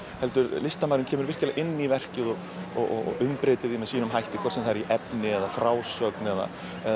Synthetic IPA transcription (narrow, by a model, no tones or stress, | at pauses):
hɛl̪t̪ʏɾlɪst̪amaːjɾɪmcʰɛːmʏɾvɪr̥caɪlaɣʔɪnːivɛr̥cɪðɔɣ | ɔɣɔ̰ɣɔ̰ɣʏmpɾeːjt̪ɪðimɛðsiːnʏmɦajht̪ɪkʰvɔ̥ɾt̪sɛmθaɾiʔɛpnɪɛðafɾaːwsœknɛða̰ | ɛ